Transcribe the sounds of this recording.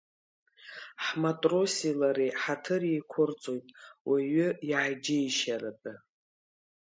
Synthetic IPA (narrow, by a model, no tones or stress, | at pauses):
ħmatʼrosilaɾiħatʰɨrejkʷʰʊrt͡sʼojtʼwʔaɥʏiʕajd͡ʒɪjʃarapʼɨ